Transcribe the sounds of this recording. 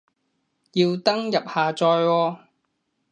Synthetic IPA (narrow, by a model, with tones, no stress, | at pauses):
jiː˧wt̪ɐ˥ŋjɐ˨p̚haː˨t͡sɔː˧jwɔː˧